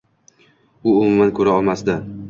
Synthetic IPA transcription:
ʊʊmʊmankʰɵɾaɒlˠmasd̪ɪ

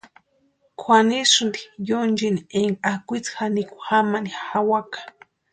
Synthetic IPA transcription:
kʰwanisund̪i̥jond͡ʒinieŋakʷit͡sxaniku̥xamanixawakḁ

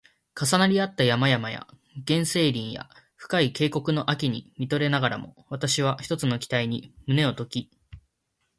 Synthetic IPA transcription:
kasanaɾʲiat̪ːajamajamaja̰ | ɡ̥ẽ̞ɰ̃se̞ːɾʲĩɰ̃ja̰ | ɸɯ̟̥kaike̞ːko̞kɯ̟no̞ʔakʲiɲ̟ḭmʲit̪o̞ɾe̞naɡaɾa̰mo̞̰βat̪aɕiβ̞açi̥t̪o̞t͡sɨno̞kʲi̥t̪aiɲ̟imɯ̟ne̞o̞t̪o̞kʲi

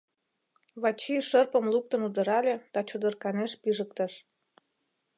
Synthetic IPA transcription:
βɑt͡ɕiʃərpəmluk̚t̪ənud̪ə̆ɾɑlʲed̪̥ɑt͡ɕud̪ərkɑneʃpiʒək̚t̪ə̆ʃ

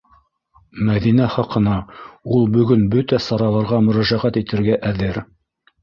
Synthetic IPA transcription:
mæðinæχɑqɤ̆nɑulˠbɵ̆ɡɵnbɵt̪æsɑɾɑlˠɑɾʁɑmɵ̆ɾæʒæʁæt̪it̪ɘ̆ɾɡæʔæðɘɾ

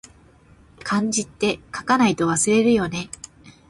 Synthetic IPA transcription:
kʰãɲ̟d͡ʑit̪ːe̞kḁkanait̪o̞βasɨɾe̞ɾɯ̟jo̞ne̞

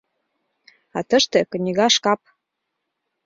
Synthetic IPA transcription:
ɑt̪əʃt̪ĕkɤ̆nʲiɣɑʃkɑp̚

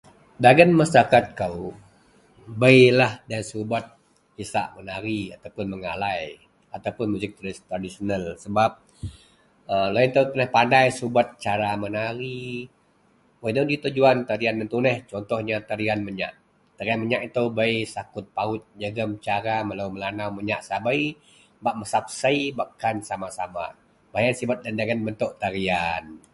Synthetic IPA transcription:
daɡənmasakat̪̚kaw | bəjlahdansubat̪̚ | hisa̰ʔmənaɾiat̪awpʊnməŋa̰laj | at̪awpʊnmuzɪk̚t̪ɾt̪ɾadisionalsəbap̚ | əlaint̪awt̪unəhpandajsubat̪̚t͡ʃaɾamənaɾi | wadawdit̪ud͡ʒuant̪aɾiandant̪unɛht͡ʃɔnt̪ɔhɲat̪aɾianməɲa̰ʔ | t̪aɾianməɲaʔit̪əwbajsakʊt̪̚paʊt̪̚d͡ʒəɡəmt͡ʃaɾaməlawməlanawməɲaʔsabai | baʔməsap̚saibaʔkansamasama̰ | bajansibat̪̚dandaɾianbənt̪ʊʔt̪aɾian

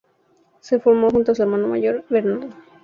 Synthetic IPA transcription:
sefoɾmoxunt̪os̬ueɾmanoma̰ʝoɾβeɾnaɾðo

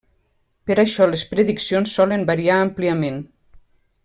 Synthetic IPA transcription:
pəɾaʃɔlespɾeðiksijonsːɔləmbaɾiaːmpliəmen

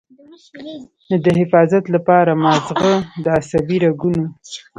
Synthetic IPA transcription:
d̪əhɪfɑzat̪lapɑɾamɑzɣəd̪əasabiɾaɡuno

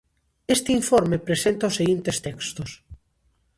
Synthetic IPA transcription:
est̪eiɱfoɾmepɾesent̪aosːeɣint̪est̪ɛkst̪ʊs

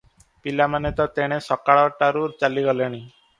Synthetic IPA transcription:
pilamanet̪ɔt̪eɽ̃esɔkːaɭɔʈaɾuɾt͡ɕaliɡɔleɽ̃i

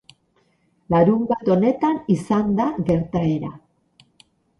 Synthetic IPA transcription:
laɾumbat̪o̞ne̞t̪anisand̪aɣe̞ɾt̪ae̞ɾa

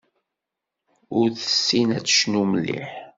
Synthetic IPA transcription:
ʊɾθə̥sːinæt͡sːə̥ʃnuməlːḭħ

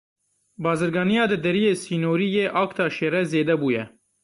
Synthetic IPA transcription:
bɑːzɨɾɡɑːnijɑːd̪ɨd̪ɛɾijeːsiːnoːɾijeːʔɑːkt̪ʰɑːʃeːɾɛzeːd̪ɛbuːjɛ̰

